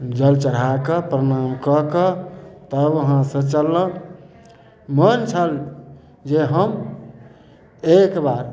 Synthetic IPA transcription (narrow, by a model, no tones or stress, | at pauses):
d͡ʒəlt͡ʃəɾ̤akəpɾənamkəkət̪əbəɦãsə̃t͡ʃəlːə̃ | mənt͡ʃʰəl | d͡ʒeɦəm | ekbaɾ